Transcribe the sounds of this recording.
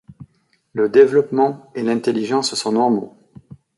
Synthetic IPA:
ləd̪evlɔpmɑ̃elɛ̃t̪eliʒɑ̃ssɔ̃nɔʁmo̰

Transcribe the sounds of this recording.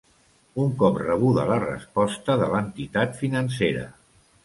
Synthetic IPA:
uŋkɔprəβ̞uðə̰lərə̰spɔst̪əðələnt̪it̪at̪finəns̬eɾə̰

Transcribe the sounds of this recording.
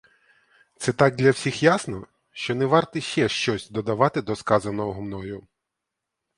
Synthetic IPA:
t̪sɛt̪ɑɡ̚d̪ʲlʲɐwsʲixjasnɔ | ʃt͡ʃɔnɛʋɑrt̪ɪʃt͡ʃɛʃt͡ʃɔsʲd̪ɔd̪ɐʋɑt̪ɪd̪ɔskɑzɐnɔɔɦʊmnɔjʊ

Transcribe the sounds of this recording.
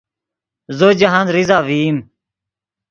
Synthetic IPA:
zod͡ʑɐɦãnɾizaːʋiːm

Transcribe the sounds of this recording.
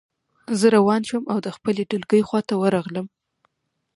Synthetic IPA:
zəɾawɑnʃəmawd̪əxpəleɖəlɡəjxwɑt̪awəɾɑɣləm

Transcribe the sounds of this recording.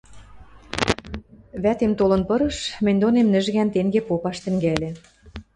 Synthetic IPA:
βæt̪emt̪olɤ̆npɤ̆ɾɤ̆ʃmɘ̆nʲd̪onemnɘ̆ʒɣænt̪eŋɡepopɑʃt̪ɘ̆ŋɡælʲĕ

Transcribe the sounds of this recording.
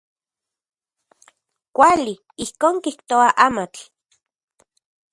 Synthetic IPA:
kʷali | ihkoːŋkiht̪oaʔamat͡ɬ

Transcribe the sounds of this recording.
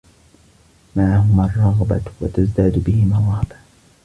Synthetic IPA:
maʕaɦʊmarˤːɑɣba̰wa̰t̪azd̪aːd̪bɪhɪmaɾˤɑba

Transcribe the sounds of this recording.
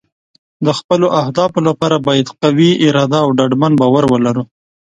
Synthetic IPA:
d̪əxpəloʔahd̪ɑfolapɑɾabɑjad̪qawiɪɾɑd̪aːwɖaɖmanbɑwaɾwəlaɾu

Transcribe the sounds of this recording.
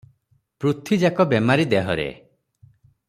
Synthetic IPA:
pɾut̪ʰid͡ʒakɔbemaɾid̪eɦɔɾḛ

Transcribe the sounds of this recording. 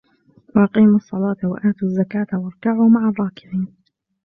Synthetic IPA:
waʔɑqiːmɑsˤːɑlɑːt̪wa̰ʔaːt̪uːzːakaːt̪awɑɾˤkaʕuːmaʕarˤːɑːkɪbiːn

